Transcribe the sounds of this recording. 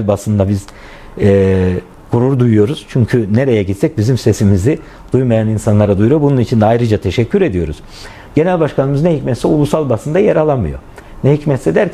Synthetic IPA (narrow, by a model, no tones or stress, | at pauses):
lʲbasɯnd̪abiz̥ | ɛ | ɡʰuɾuɾd̪ujujo̞ɾuz̥t͡ʃʰyɲcʰyneɾe̞jɛɟit̪sɛc̚bizimse̞simizi | d̪̥ujmajaninsanlˠaɾad̪ujɾobununit͡ʃʰind̪ɛajɾɯd͡ʒat̪ʰe̞ʃɛcʰːyɾe̞d̪ijo̞ɾuz̥ | ɟe̞nælʲbaʃkanɯmɯznɛɦicmɛt̪sɛulˠusalˠbasɯnd̪ajeɾalˠanmɯjo | nɛɦicmɛt̪sɛd̪æɾʰ